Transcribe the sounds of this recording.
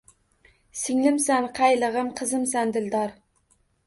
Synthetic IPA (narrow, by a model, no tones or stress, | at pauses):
sɪŋlɪmsænqʰɑjlˠəʁəmqʰəzɨmsænd̪ɪld̪ɑɾ